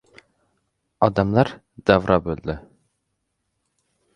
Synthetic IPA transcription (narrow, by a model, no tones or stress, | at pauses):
ɑd̪ɑmlˠɑɾ | d̪ævɾʔɑbøld̪ɪ